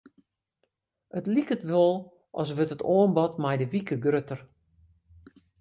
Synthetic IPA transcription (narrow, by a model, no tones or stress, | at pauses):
ətlikətʋolˠ | ʔɔ̰s̬ʋøtətoənbɔtmɛjdəʋikəɡrøtər